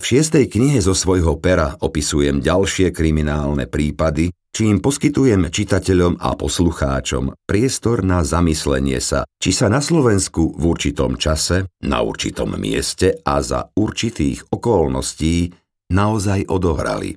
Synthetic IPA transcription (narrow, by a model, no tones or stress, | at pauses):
fʃɪɛst̪ɛjkɲiɦɛzɔsʋɔjɦɔpɛɾaʔɔpisujɛmɟalʃɪɛkɾiminaːlnɛ̰pɾiːpad̪i | t͡ʃiːmpɔskit̪ujɛmt͡ʃit̪acɛʎɔma̰pɔsluxa̰ːt͡ʃɔ̰mpɾɪɛst̪ɔɾnazamislɛ̰ɲɪɛ̰sa̰t͡ʃisanaslɔʋɛnskuvuɾt͡ʃit̪ɔ̰mt͡ʃasɛna̰ṵɾt͡ʃḭt̪ɔ̰mːɪɛ̰scɛʔaza̰uɾt͡ʃit̪iːɣɔkɔlnɔsciː | naɔzajʔɔd̪ɔʋɾa̰lḭ